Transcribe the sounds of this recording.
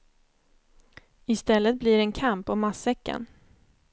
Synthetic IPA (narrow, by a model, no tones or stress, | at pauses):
ɪst̪ɛlːət̪̚bliːɾɛnkʰampːɔmasɛkːa̰n